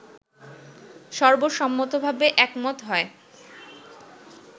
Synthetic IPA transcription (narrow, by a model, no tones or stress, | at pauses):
ʃɔɾboʃɔmːot̪obʱabeʔɛkmɔt̪ɦɔe